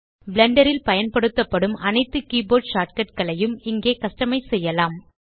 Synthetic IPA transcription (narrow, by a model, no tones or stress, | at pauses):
bɪlɐɳɖɐɾɪlpɐjɐnpɐɽɯt̪ːɐpːɐɽɯmʔɐnɐɪt̪ːɯkiːboːɖʂaːʈ̚kɐʈ̚kɐɭɐjɯmɪŋɡeːkɐʂʈɐmɐɪsɛjːɐlaːm